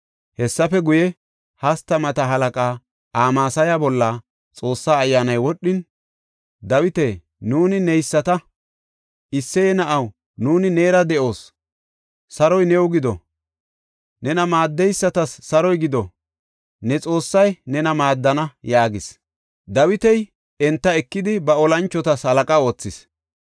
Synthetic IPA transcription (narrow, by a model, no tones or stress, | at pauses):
hɛsːɐfɛɡʊjɛ | hɐst̪ːɐmɐt̪ɐɦɐlɐkʼaː | aːmaːsɐjabɔlːɐ | t͡sʼo̞ːsːaːjːaːnɐjwɔɗːɪn | d̪ɐwɪt̪eː | nuːnɪnɛjsːɐt̪ɐ | ɪsːɛjɛnɐʔɐw | nuːnɪne̞ːɾɐd̪ɛʔo̞ːs | sɐɾɔjnɛwʊɡɪd̪ɔ̰ | nɛnɐmaːd̪ːɛjsːɐt̪ɐsːɐɾɔjɡɪd̪ɔ̰ | nɛt͡sʼo̞ːsːɐjnɛnɐmaːd̪ːɐnɐjaːɡɪs | d̪ɐwɪt̪ɛj | ɛnt̪ːɐɛkːɪd̪ɪbɐɔlɐnt͡ʃːɔt̪ɐshɐlɐkʼɐo̞ːt͡sːɪs